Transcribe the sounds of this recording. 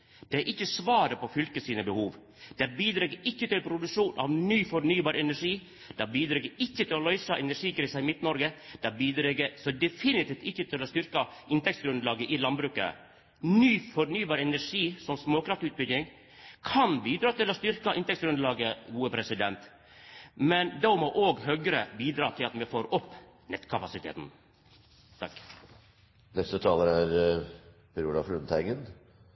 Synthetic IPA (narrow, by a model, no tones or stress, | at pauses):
d̪̥ɛæʔɪçːəsʋɑːɾəpɔfʏlkəsiːnəbəhuːʋ | d̪̥ɛbiːd̪ɾɛɡəɪçːət̪ɪlpʰɾʊd̪ʉʂuːnʔɑ̰ʋnyːfɔɾnyːbɑːɾɛnæʂiː | d̪̥ɛbiːd̪ɾɛːɡəɾɪçːət̪ʰɪlɔlœʏsɑʔɛnæɾʂiːkɾiːsəɪmɪt̪ːnɔɾɡəd̪̥ɛbiːd̪ɾɛɡəsɔd̪ɛfɪnɪt̪iːft̪ɪçːət̪ʰɪlɔst̪ʏɾkɑɪnt̪ɛktsɡɾʉnd̪lɑːɡəʔɪlɑnbɾʉːkə̰ | nyːfɔɾnyːbɑːɾəɛnæʂiːsɔmsmoːkɾɑft̪ʉːt̪̚bʏɡ̪ɪŋ | kʰɑnbiːd̪ɾɑːt̪ɪlɔst̪ʏɾkəʔɪnt̪ɛksɡɾʉnd̪lɑːɡəɡuːəpʰɾɛsɪd̪ɛnt̪ | mɛnd̪ɑmɔʔoːɡɦœɡəɾəbiːd̪ɾɑːt̪ʰɪlɑt̪mɛfoːɾɔpː | nɛt̪kʰɑpɑsɪt̪ʰḛːt̪n̩ | t̪ʰɑkː | nɛst̪ət̪ʰɑːləɾæɾ | pɾuːlɑfɾʉnt̪ʰæɪɡən